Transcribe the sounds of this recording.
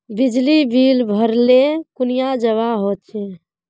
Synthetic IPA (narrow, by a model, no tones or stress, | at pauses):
bid͡ʒlibilbʱəɾlekunijad͡ʒəβaɦot̪̚t͡ʃʰe